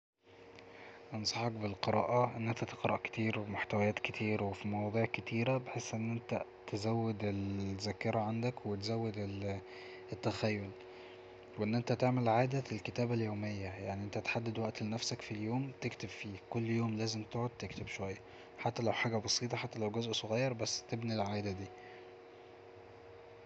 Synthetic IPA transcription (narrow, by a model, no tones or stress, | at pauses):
ʔensˤɑħɑkbelqeɾˤɑːʔɑʔenːʔent̪æt̪eqɾˤɑʔke̥t̪iːɾwemoħt̪æwæjæːt̪ket̪ʰiːɾwefimɑwɑːd̪ˤiːʕket̪iːɾæbeħesːʔenːʔent̪æ | t̪ezæwːed̪elzækːeɾˤɑʕand̪ækwet̪zæwːed̪el | et̪ːæxæjːol | weʔenːʔent̪æt̪eʕmelʕaːd̪æelket̪æːbæljoːmejːæjaʕniʔent̪æt̪ħad̪ːed̪wæʔt̪lenæfsækfiljoːmt̪ekt̪ebfiːkolːjoːmlæːzemt̪oʕod̪̚t̪ekt̪ebʃowæjːæ | ħat̪ːælæwħaːɡæbɑsˤiːt̪ˤɑħat̪ːælæwɡæzʔsˤoɣæjːɑɾˤbæsːt̪ebnilʕaːʔd̪æd̪iː